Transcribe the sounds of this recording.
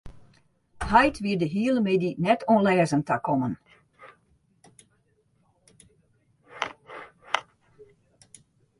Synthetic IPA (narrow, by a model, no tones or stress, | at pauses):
hajtʰʋiədəɦiələmedinɛtʰonlɛːzəntakʰɔmən